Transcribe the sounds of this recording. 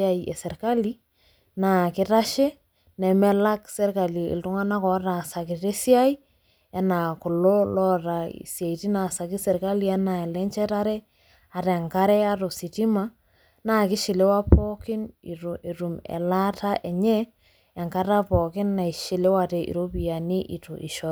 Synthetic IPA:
a˦iɛ̰˨sɛ˨ɾka˦li˦ | na˨kɪ˦ta˦ʃe˦ | nɛ˨mɛ˦la˦ksɛ˦ɾka˨li˨ɪ̰˨ltʊ˦ŋa˦na˦kɔ˨˦ɾa˨sa˨kɪ˨te˦si˦a˦i˦ | ɛ˦na˨kʊ˨lo˦lɔ˦ɾa˨ḭ˨sja˨i˨ti˦na˨sa˨kɪ˦sɛ˨ɾka˦li˦ɛ˦na˨ɛ˨lɛ˦nt͡ʃɛ˦ta˦ɾɛ˦ | a˨tɛ˨ŋka˦ɾɛ˦a˦to˨si˨ti˦ma˦ | na˨kɪ˦ʃɪ˨le˦wa˦pɔ˦kɪ˦ni˨ɾo˨ʔe˨ɾu˨mɛ̰˨la˦ta˦ʔɛ˨ɲɛː˦˨ | ŋka˦ta˦pɔ˨kɪ˦nːa˨i˨ʃɪ˨le˦wa˦tɛ˨ʔḭ˨ɾo˦pi˨a˨ni˦ʔḭ˨to˨ʔḭ˨ʃɔ˨

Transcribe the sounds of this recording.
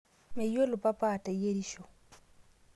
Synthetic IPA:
me˨jo˦lʊ˨pa˦paː˦˨ta˨i˦je˦ɾi˦ʃo˨

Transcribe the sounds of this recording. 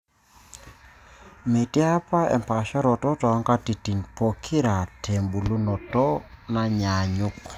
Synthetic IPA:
me˨ti˦a˦pa˦ɛ̰˨mpa˨ʃɔ˦ɾɔ˨tɔ˦tɔ˨˦ŋka˦ti˨ti˨npo˨kʰi˦ɾa˨tʰe˨mbu˨lu˦nɔ˨tɔ˦na˦ɲa˨ɲu˦k

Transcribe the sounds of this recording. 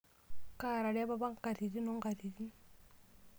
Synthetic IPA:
ka˨ɾa˨ɾe˦ba˦ba˦ŋka˨ɾi˨ɾi˦no˦ŋɡa˨ɾi˨ɾi˦

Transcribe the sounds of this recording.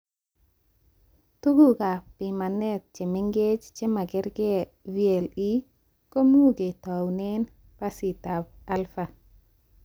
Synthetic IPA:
tu˦ɡu˦ka˨pi˨ma˨ne˦t̪̚t͡ʃe˨miŋɡe˦t͡ʃt͡ʃe˦ma˨ɡɛ˦ɾɡe˦vi˦ɛ˨li˦ | ko˦mu˦ɡe˨tawnen | pa˦si˨tab̚a˦lfa

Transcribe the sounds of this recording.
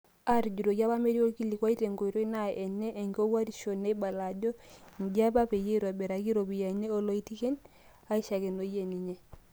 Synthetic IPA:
a˦ɾi˨ɟu˨ɾo˨ɡa˦ba˦me˦ɾi˦o˦ki˦li˨kwa˦i˦te˨ŋɡo˨i˨ɾo˦i˦na˨ɛ˨nːe˦ʔːŋɡi˦o˦wa˦ɾi˨ʃo˨ne˦i˦ba˨la˨ɟo˦ŋ˨ɡa˦ba˦pe˨je˦ɾo˨be˨ɾa˨ɡi˦ɾo˨bi˨ja˨ɲe˦o˦lo˦i˦ti˦ke˦n | a˦i˦ʃa˨ke˨no˨je˨ni˨ɲe˦

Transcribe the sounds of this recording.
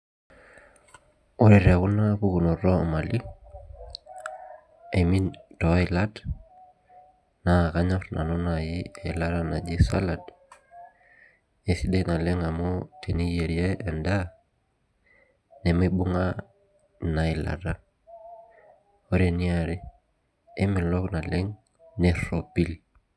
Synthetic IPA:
ɔ˦ɾɛ˨ɾa˨ku˦na˦ku˦ku˨nɔ˨ɾɔ˦ɔ˨ma˨li˦ | e˨mi˦ntɔ˨˦ilad | na˨kaɲɔ˦ɾna̰˨nɔ˦najiɛ˨la˦ɾana̰˨d͡ʒi˦sa̰˦lad | e˨si˦de˦na˨lɪ˦ŋa˨mɔ˦tʰe˨ni˦je˨ɾiɛ˦ɛ˨nda˦ | nɛ˨meɓu˦ŋa | na˨ɪ˨la̰˨ɾa˦ | ɔ˦ɾe˨niaɾɪ˦ | e˦mɪ˨lɔ˦kna˨lɪ˦ŋ | nɛɾopi˦l

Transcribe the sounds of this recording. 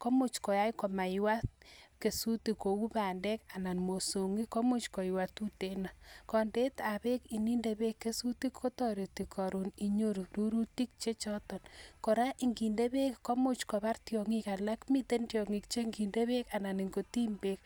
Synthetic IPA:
ko˦mo˦t͡ʃkɔ˨ja˦jko˨ma˨jwa˦t̚ke˨su˦ti˨ko˨u˦ba˨nde˦ka˨na˨nmo˨so˨ŋi˦ko˦mo˦t͡ʃko˨jwa˨tu˦te˨na˨kɔ˨nde˦ta˨βe˦ki˨ni˦nde˨βe˦kːe˦su˦ti˦kʰːo˦tɔ˦ɾe˨ti˨kʰɔ˨ɾu˨ni˨ɲo˦ɾu˨ɾu˦ɾu˦ti˦k̚t͡ʃe˦t͡ʃɔ˦tɔ˨nko˨ɾa˦ʔi˨ŋɡi˨nde˦βe˦kko˦mo˦t͡ʃko˨βa˦ɾtjɔŋika˨la˦kmi˦te˦ntjɔ˨ŋi˨kt͡ʃe˦ŋɡi˨nde˦βe˦ka˨na˨ni˨ŋɡo˨ti˦mbe˦k̚

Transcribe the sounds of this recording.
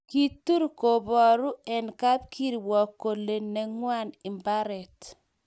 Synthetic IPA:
ki˦tu˦ɾko˨bɔ˨ɾu˦ɛ˨nka˦p̚kʰi˦ɾi˨wɔ˨ko˨le˨nɛ˨ŋwa˦nɪ˨mba˦ɾɛ˨t

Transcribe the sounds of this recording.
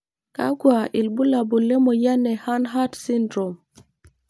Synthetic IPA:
ka̰˦ɡwa˨ʔi˨lbu˦la˨bu˨lɛ˦mɔ˨ja˦nɛ˨ha˦nɦa˦tsi˦ndɾo˨m

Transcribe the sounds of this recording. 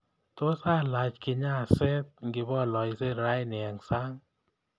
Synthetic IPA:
to˦sa˦˨la˨t͡ʃkɪ˧ɲa˦˨sɛ˦t̚ŋɡɪ˧bɔ˦˨lɔ˨jse˦ɾa˦jnɪ˨a˨ŋsa˦ŋ

